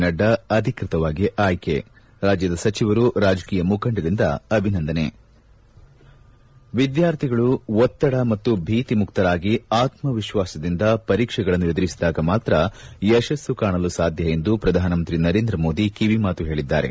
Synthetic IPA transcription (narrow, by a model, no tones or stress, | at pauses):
nɐɖːɐɐd̪ʱikɾit̪ɐʋaːɡiʔaːjkḛ | ɾaːd͡ʒjɐd̪ɐsɐt͡ʃiʋɐɾuɾaːd͡ʒɐkiːjɐmukʰɐɳɖɐd̪ind̪ɐ̰ɐbʱinɐnd̪ɐne̞̰ | ʋid̪jaːɾt̪ʰiɡɐɭuʋɔt̪ːɐɽɐmɐt̪ːubʱiːt̪imukt̪ɐɾaːɡiaːt̪mɐʋiʃʋaːsɐd̪ind̪ɐpɐɾiːkʂɛɡɐɭɐnːued̪uɾisd̪aːɡɐmaːt̪ɾɐjɛʃɐsːukaːɳɐlusaːd̪ʱjɐje̞nd̪upɾɐd̪ʱaːnɐmɐnt̪ɾinɐɾe̞ːnd̪ɾɐmo̞ːd̪ikiʋimaːt̪uɦe̞ːɭid̪ːa̰ːɾe̞̰